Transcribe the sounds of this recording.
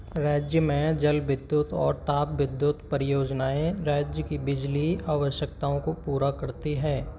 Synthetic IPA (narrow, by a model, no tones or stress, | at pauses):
ɾaːd͡ʒjəmẽd͡ʒɐlʋɪd̪jʊt̪ɔ̰ːɾt̪aːpʋɪd̪jʊt̪pəɾɪjoːd͡ʒnaːẽɾaːd͡ʒjəkibɪd͡ʒliaːʋəʃjəkt̪aːõkopuːɾakɐɾt̪iɦɛː